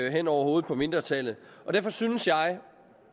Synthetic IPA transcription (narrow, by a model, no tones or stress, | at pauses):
ɦen̰ɒʊ̰ɐho̝ːð̩ˠpʰɒ̽me̝nd̥ʁɐt͡sʰɛlð̩ˠʔɒ̽d̥æɐfɒ̽synəsjɑ̈ɪ